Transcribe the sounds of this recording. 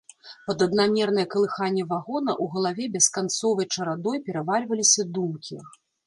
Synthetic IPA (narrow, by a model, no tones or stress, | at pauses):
pɐd̪ɐd̪namʲɛrnɐjɛɐkɐlˠɨxanʲːɛvaɣɔnɐʔuɣɐlˠavʲɛbʲɛskant̪sɔvɐjt͡ʂɐɾad̪ɔjpʲɛɾɐvalʲvɐlʲisʲɐd̪umkʲʰi